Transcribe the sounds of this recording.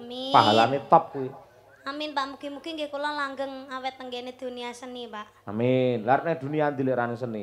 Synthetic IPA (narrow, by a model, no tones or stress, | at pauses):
amipaɦalanet̪əp̚kui | amɪnpaʔmuɡ̥imuɡ̥iŋɡekulɔlaŋɡəŋawɛt̪ːəŋɡened̪̥uniasənipaʔ | a̰minlaɾnɛhd̪ṳnijand̪ileɾanesəni